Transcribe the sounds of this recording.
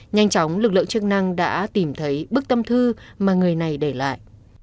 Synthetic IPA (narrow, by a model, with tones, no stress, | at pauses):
ɲa˧jŋ̟t͡ɕɔ˨˦wŋ͡mlɨ˨˩k̚lɨ̰˧ə˨ŋt͡ɕɨ˦˥k̚na˧ŋɗa̰ː˧˥t̪i˨˩mt̪ʰə˨˦jɓɨ˦˥k̚t̪ə˧mt̪ʰɨ˧maː˨˩ŋɨ˨˩əjna˨˩jɗe˧˩la̰ː˧˨jʔ